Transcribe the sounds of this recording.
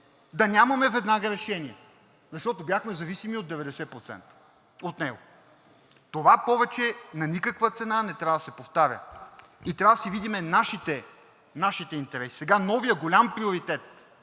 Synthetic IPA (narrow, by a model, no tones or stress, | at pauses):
d̪ɐnʲamɐmɛvɛd̪naɡɐɾɛʃɛniɛ | zɐʃt̪ɔt̪objaxmɛzɐvisimiod̪̚ːɛvɛd̪ɛsɛpɾot̪sɛ̰nt̪ə̥ | ot̪nɛɡo | t̪ovapɔvɛt͡ʃɛnɐnikəkvət̪sɛnanɛt̪ɾʲavəd̪ɐsɛpoft̪aɾʲə̰ | it̪ɾʲavəd̪əsɛvid̪imɛnaʃit̪ɛ | naʃit̪ɛint̪ɛɾɛsi̥sɛɡanɔvijəɡolʲampɾioɾit̪ɛt̪̚